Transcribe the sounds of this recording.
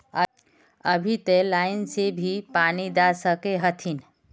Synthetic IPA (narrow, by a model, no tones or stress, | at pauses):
ə | əbʱit̪elaɪnsebʱipanid̪asəkeɦət̪ʰin